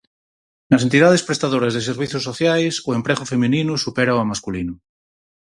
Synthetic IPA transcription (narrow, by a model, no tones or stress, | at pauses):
nase̞nt̪iðað̞espɾest̪aðoɾazðes̬eɾβ̞iθjosːoθjajsuempɾeɣofemĩninusupeɾaoamaskulinu